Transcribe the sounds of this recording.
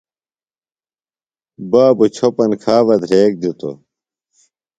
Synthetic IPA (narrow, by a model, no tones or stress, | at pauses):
baːbut͡ɕʰopɐnkʰaːʋɐd̪ʱɾeːk̚d̪ut̪o̰